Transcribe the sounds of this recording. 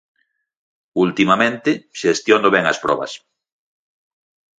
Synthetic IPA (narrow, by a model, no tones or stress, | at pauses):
ult̪imamẽnt̪ɪʃest̪jond̪oβɛŋɐ̰spɾɔ̰βɐ̰s